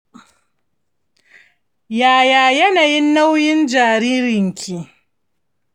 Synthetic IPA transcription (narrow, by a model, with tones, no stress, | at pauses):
jaː˨jaː˨jɐ˦naː˨jɪ˦nːa˦wjɪ˦nd͡ʒaː˨ɾiː˦ɾɪ˨ŋkʲʰi˦˨ʔ